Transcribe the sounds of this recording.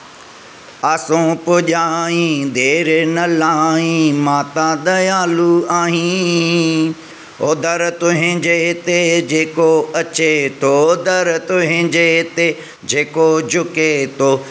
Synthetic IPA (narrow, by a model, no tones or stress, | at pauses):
aːsõpʊʄaːĩd̪ʱeːɾnɐlaːĩmaːt̪ãd̪ɐjaːluaːɦĩ | oːd̪əɾt̪ʊɦɪ̃d͡ʒet̪ed͡ʒeːkoɐt͡ʃet̪ʰod̪əɾt̪ʊɦɪ̃d͡ʒet̪e | d͡ʒeːkod͡ʒʊket̪ʰoː